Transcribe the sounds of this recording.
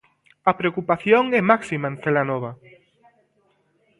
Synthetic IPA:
ɐpɾeokupaθjoŋɛmaksimaẽnθelanoβ̞a

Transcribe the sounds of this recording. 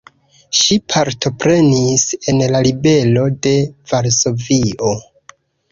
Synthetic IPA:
ʃipʰaɾtʰo̞pɾe̞nise̞nlalibe̞lo̞de̞vaɾso̞vio

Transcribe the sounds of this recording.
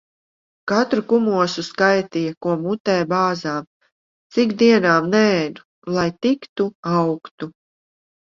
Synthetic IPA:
kat̪ɾukumuɔsuskajt̪ijakuɔmut̪ɛːbaːzaːm | t̪sikd̪iɛnaːmnɛːnu | lˠajt̪ikt̪uawkt̪u

